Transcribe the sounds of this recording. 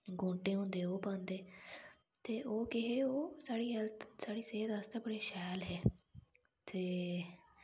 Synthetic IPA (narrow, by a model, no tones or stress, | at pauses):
ɡõːɳʈeːɦõːnd̪eːoːpãːnd̪eː | t̪eːʔoːkɪɦeːoːsaːɽiːsaːɽiːseːt̪ast̪aːbəɽeːʃɛːlɦɛː | t̪eː